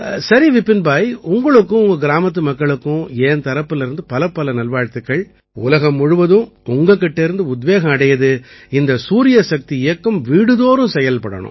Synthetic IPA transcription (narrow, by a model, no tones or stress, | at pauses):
sɐɾiʋɪpːɪnbaːjʊŋɡɐɭɯkːʊ̃ʊŋɡɐɡɪɾaːmɐt̪̬ːɯmɐkːɐɭɯkːʊ̃eːnt̪ɐɾɐpːɯlɪɾɯnd̪ɯpɐlɐpːɐlɐnɐlʋaːɻt̪ːɯkːɐɭ | ʊ̰lɐɣɐmːʊɻʊʋɐðɯ̃mʊŋɡɐk̬ːɪʈːeɾɯnd̪ɯʊd̪ʋeːɣɐ̃ɐɽɐjɐðɯɪnd̪ɐsuːɾɪjɐsɐk̚t̪iɪjɐkːɐmʋiːɽɯðoːɾɯ̃sɛjɐlpɐɽɐ̰ɳʊ̰̃